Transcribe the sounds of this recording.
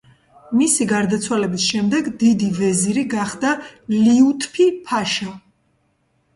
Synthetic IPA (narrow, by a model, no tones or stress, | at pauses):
misiɡaɾd̪at̪sʰwalɛbisʃɛmd̪ɛɡd̪id̪ivɛziɾiɡaχd̪aliut̪ʰpʰipʰaʃa